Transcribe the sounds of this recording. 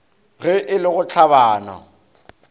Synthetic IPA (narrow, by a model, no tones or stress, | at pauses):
ɣɪʔɪlɪɣʊt͡ɬʰabaːna̰